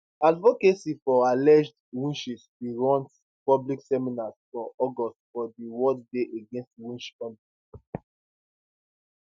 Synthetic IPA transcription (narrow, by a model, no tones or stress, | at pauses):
advokesifɔalɛd͡ʒdwĩnʃiswiɹɔ̃nt | pɔbliksɛminasfɹɔ̃ɔɡɔstfɔdiwɔddeʔeɡẽnstwĩnʃɔ̃ni